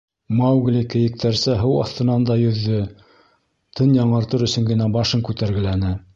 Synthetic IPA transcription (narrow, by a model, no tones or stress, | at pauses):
mɑwɡlʲikɘ̆jɘ̆k̚t̪æɾsæɦɤwɑ̰θt̪ɤ̆nɑnd̪ɑjɵ̆ðːɵ | t̪ʰɤnjɑɴɤ̆ɾt̪ɤɾɵ̆sɵ̆ŋɡɘ̆næbɑʃɤŋkʉt̪æɾɡɘ̆lænɘ